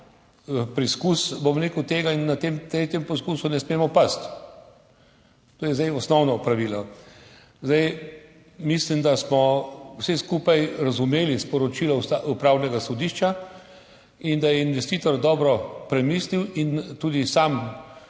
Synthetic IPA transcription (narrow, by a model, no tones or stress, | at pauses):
pɾiskusbomɾeːkwt̪eːɡainːat̪emt̪ɾeːt̪jɛmpɔskuːsunɛsmeːmɔpast̪ | t̪oːjɛzd̪ajɔsnɔwnɔpɾaʋiːlɔ | zd̪aj | mislimd̪asmɔwsɛskuːpajɾazumeːlispɔɾɔt͡ʃiːlɔaupɾaːwnɛɡasɔd̪iʃt͡ʃa | ind̪ajɛinʋɛst̪iːt̪ɔɾd̪ɔːbɾɔpɾɛmisliwint̪uːd̪isam